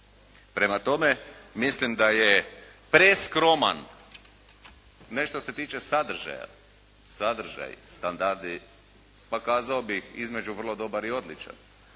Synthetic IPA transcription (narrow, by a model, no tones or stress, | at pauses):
pɾemat̪o̞me̞mislimd̪ajepɾeskɾo̞ma̰n | e̞ʃt̪o̞se̞t̪iːt͡ʃe̞sad̪r̩ʒa̰ja̰ | sad̪r̩ʒa̰j̰st̪and̪aɾd̪i | pakaːzaobixizme̞d͡ʒuʋər̩lˠod̪o̞baɾio̞d̪lit͡ʃa̰n